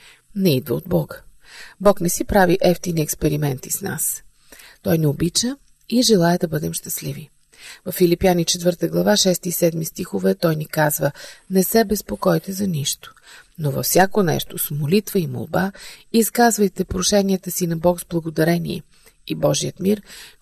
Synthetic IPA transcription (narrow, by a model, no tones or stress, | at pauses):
nɛid̪vəo̰d̪̚bɔɡə | bɔknɛsipɾaviʔɛft̪iniɛkspɛɾimɛnt̪isna̰s | t̪ɔjniobit͡ʃə | iʒɛlˠaɛd̪ɐbɤd̪ɛmʃt̪əslivi | vɐfːilipjanit͡ʃɛt̪vɤɾt̪əɡlˠɐvaʃɛst̪isɛd̪mist̪ixovɛt̪ɔjnikazvənɛsɛbɛspokɔjt̪ɛzɐniʃt̪o̥ | novɐ̰fsʲjakonɛ̰ʃt̪osmolit̪vəimo̰lˠbaiskazvəjt̪ɛpɾoʃɛniət̪əsinɐbɔkzblˠɐɡod̪ɐɾɛnḭɛ̰ | ibɔʒiət̪miɾ